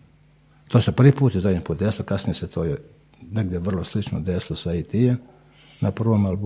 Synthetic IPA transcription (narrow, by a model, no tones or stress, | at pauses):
t̪oːsepr̩ʋiːpuːt̪jizad̪ɲimpuːt̪d̪esilokasnijeset̪ʰoːje | neɡd̪jeʋr̩lˠoslit͡ʃnod̪esilosait̪ije | napr̩ʋomalb